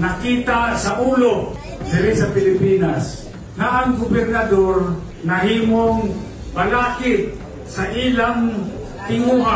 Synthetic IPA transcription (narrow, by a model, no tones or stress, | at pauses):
nɐkiːt̪asaʔuːlo | d̪ɪɾɪsɐpɪlɪpiːnas | ŋaʔaŋɡʊbɛɾnad̪or | nɐɦiːmoŋ | bɐlaːkɪ | saʔiːlaŋ | t̪ɪŋuːʔa